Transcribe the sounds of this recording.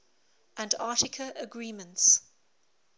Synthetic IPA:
ʔə̃ndɑˑtɪkʰəʔəɡɹiːmə̃nts

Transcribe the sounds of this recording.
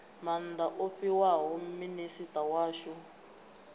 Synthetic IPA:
man̩daʔofiwaɦɔminisitʼawaːʃɔ

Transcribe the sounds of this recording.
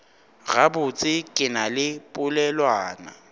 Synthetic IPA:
ɣabʊt͡sʼɪkʼɪnalɪpʼʊlɛlwaːna̰

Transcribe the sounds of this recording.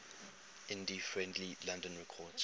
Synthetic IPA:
ɪ̃ndifɹɛ̃ndlilãndə̃nɹɛkʰɔd

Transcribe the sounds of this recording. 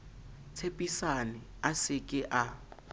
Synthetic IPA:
t͡sʰepʼisanɪasɪkʼɪʔa

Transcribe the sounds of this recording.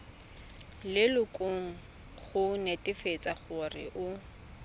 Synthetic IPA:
lɪlʊkʼʊŋ̩ | χʊnetʼɪfet͡sʼaχʊrɪ̰ʔʊ

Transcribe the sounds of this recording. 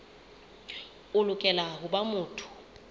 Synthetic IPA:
ʊlʊkʼɛlaɦʊbamʊːtʰʊ̥

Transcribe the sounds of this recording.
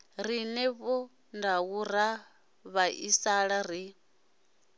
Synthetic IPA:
rinɛβɔ | ndaɣuɾa | βaʔisaɺaɾi

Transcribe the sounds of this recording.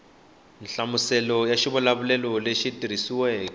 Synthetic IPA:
n̩ɬamusɛlɔjaʃiβulaβulɛlɔleʃitiɾ̤isiwɛːkɔ

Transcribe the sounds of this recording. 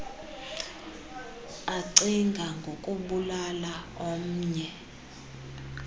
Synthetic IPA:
aǀiŋɡʱaŋɡʱokʼuɓulala | om̩ːɲɛ

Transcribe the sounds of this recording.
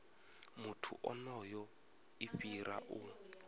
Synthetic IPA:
mutʰṵʔɔnɔjɔ | iɸiɾʔa̰ʔu

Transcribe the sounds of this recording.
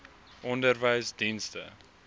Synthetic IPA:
ʔɔndərvəjsdinstə̰

